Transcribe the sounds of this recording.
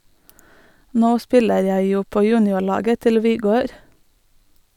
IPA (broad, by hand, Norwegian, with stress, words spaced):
ˈnoː ˈspɪləɾ ˈjæɪ ˈjuː ˈpoː ˈjʉːnɪʊˌɭɑːɡə ˈtɪl ʋɪˈɡøːɾ